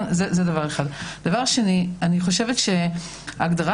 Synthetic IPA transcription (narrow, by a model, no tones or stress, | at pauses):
nzezedavaʁeχadd̥avaʁʃenianiχo̞ʃevetʃe | aɡdaʁa